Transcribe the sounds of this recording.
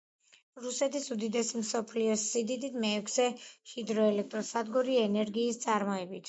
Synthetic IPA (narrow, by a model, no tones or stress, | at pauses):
ɾusɛt̪ʰisud̪id̪ɛsimsɔpʰliɔsːid̪id̪it̪mɛːkʰzɛʃid̪ɾɔɛlɛk̚ʰt̪ʼɾɔsad̪ɡuɾiɛnɛɾɡiːst̪sʼaɾmɔɛbit̪ʰ